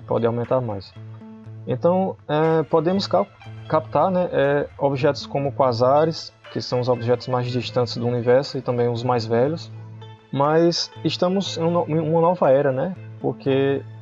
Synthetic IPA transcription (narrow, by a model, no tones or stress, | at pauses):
pɔ̰d̪ɪawmẽnt̪aɾmajs | ẽnt̪ɐ̃w̃ɛpod̪ẽmʊska | kap̚t̪aɾnɛʔɛobiʒɛt̪ʊ̥skõmʊkwazaɾɪskɪsɐ̃w̃ʊzobiʒɛt̪ʊzmajzd͡ʒiʃt̪ɐ̃nt̪ɪzd̪ʊunivɛɾsʊɪt̪ɐ̃bẽj̃ʊzmajzvɛʎʊs | mɐjsɪʃt̪ɐ̃mʊzẽũmɐ̃nɔvɐɛɾɐnɛpoɾke